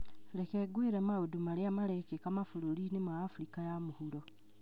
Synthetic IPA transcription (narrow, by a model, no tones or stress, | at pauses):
lekeɡwiɾemaodumaɾeamaɾekekamafuɾoɾinemaːfuɾikajamuhuɾo